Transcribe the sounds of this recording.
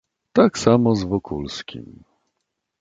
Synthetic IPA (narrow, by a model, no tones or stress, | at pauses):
t̪aksamɔzvɔkʰulskʲḭm